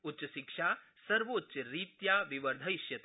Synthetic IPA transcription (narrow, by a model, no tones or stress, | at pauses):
utːt͡ʃɐʃikʂa | sɐɾʋoːtːɕɐɾiːt̪jaʋiʋəɾd̪ʱɐjʃjɐt̪